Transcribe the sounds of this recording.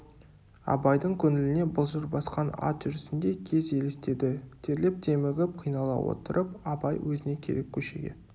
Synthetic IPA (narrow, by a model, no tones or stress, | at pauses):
ɑ̰bɑjd̪əɴkʲʰɵnɪlɪne̞bʊlˠʒəɾbɑsqɑnɑ̰t̪ʒ̥ʏɾɪsɪnd̪e̞kʲʰe̞ze̞lɪst̪e̞d̪ɪt̪ʰe̞ɾlep̚d̪ʰe̞mɪʁʲɪp̚qʰijnɑlˠɑ̰wo̞̰t̪əɾʔəpɑbɑjwɵzɪne̞kʲʰe̞̰ɾekʲʰːɵʃe̞̰ɡʲe̞̰